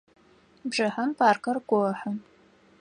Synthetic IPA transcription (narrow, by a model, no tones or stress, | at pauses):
bʐɐħɐmpʰaːrkʰɐrɡʷɔħə